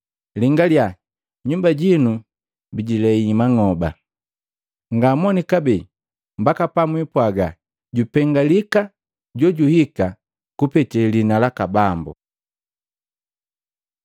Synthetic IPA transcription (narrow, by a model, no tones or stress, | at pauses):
liŋɡalja | ɲumbaɟinu | biɟilɛimaŋɔba̰ | ŋɡamɔnikabɛ | mbakapamwipwaɡa | ɟupɛŋɡalika | ɟɔɟuhika | kupɛtɛlinalakabambṵ